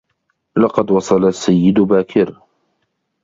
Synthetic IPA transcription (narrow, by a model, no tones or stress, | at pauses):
lɑqɑd̪wɑsˤɑlasːajːɪd̪ʊbaːkʰɪɾ